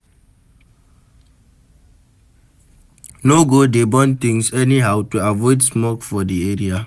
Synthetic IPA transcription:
noɡodebɔ̃nt̪ĩŋsɛniɦawtuavɔɪdsmɔkfɔdieɹia

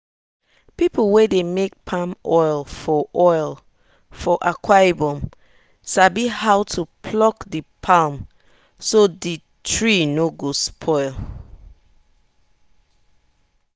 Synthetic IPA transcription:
piplwedemek̚pʰãmɔɪlfɔʔɔɪl | fɔʔakʰwajbɔ̃m | sabihaʊwtʰupʰlɔkdipʰãm | sodi | tʰɹinoɡospʰɔɪl

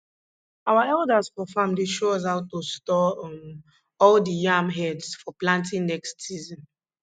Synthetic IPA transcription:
awaɛldasfɔfamliʃoɔs̬aʊtːostɔm | ɔldijãmɦɛdsfɔplãntĩŋnɛkstsizɔ̃n

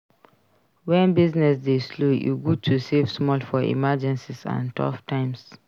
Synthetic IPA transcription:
wɛ̃nbiznɛsdeslujṵɡutʰusevsmɔlfɔḭmad͡ʒɛ̃nsisã̰ntʰɔ̰ftʰãɪ̃ms

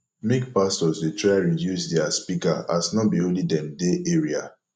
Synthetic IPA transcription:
mekpastɔsdetɹajɹijjusdɛaspikaasnɔbiõlidɛ̃mdeʔeɹia

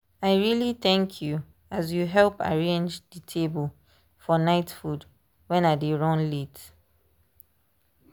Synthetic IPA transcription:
aɪɹiliθɛ̃ŋkʰju | azjuɦɛlpa̰ɹẽnd͡ʒdətʰebəlˠ | fɔnaɪtfud | wɛ̃nadiɹɔ̃nlit

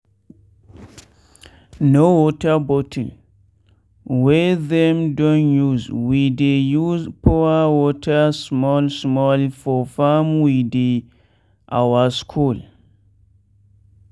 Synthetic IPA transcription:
nowɔtabɔtʰəl | wɛðɛ̃mdɔ̃njuzwidejuzpʰɔawɔtʰasmɔlsmɔlfɔfamwide | ʔa̰waskʰul

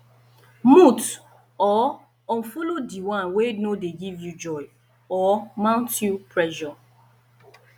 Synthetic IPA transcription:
mut | ɔ | ɔ̃nfolodiwãnwenodeɡivjud͡ʒɔj | ɔmãʊ̃ntjupɹɛʃɔ

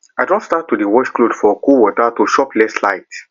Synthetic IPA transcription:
aɪdɔ̃ntstatʰːudəwɔʃkludfɔkuwɔtatuʃɔplɛstla̰ɪt

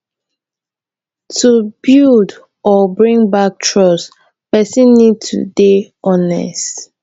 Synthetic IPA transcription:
tʰubild | ɔbɹĩŋbak̚tʰɹɔs | pɛsə̃nːid̚tʰṵde | ɔnɛ̰st

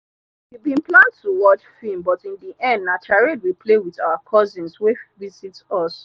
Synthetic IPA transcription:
hibĩnplãntʰuwɔt͡ʃfimbɔtĩndiʔɛ̃ndnat͡ʃaɹid̚wiplewiθaʊakʰɔzĩnswevizitɔs

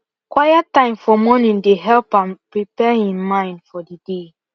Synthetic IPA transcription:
kwajatãɪ̃mfɔmɔnĩndeɦɛlpãmpɹipɛhĩmmãɪ̃ndfɔdide

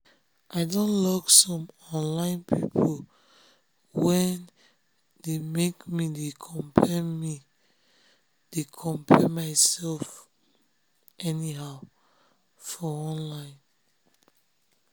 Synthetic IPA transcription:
ʔaɪdõnlɔksɔ̃mɔ̃nlãɪ̃npʰipʰo | wɛ̃n | demekmidekʰɔ̃mpʰɛmi | d̥ekʰɔ̃mpʰɛmaɪsɛlf | ʔɛniɦaʊ | fɔɔ̃nlãɪ̃n

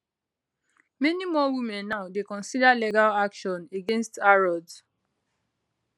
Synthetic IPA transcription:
mɛnimɔwimɛ̃nːaʊdekɔ̃nsidaleɡalakʃɔ̃neɡẽnstaɹɔd

